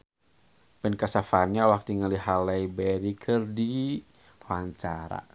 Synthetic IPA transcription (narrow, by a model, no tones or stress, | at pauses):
pɛnkasafanɲaɔwak̚diŋaliɦalaibɛɾikʰɨrdi | waɲt͡ʃaɾa̰